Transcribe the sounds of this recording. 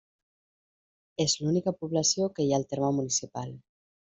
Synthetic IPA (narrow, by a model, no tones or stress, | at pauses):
ezlunikəpuβləsiokəjaːlˠt̪eɾməmunisipalˠ